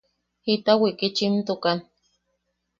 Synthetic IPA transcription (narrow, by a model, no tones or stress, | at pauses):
hit̪awikit͡ʃint̪ukan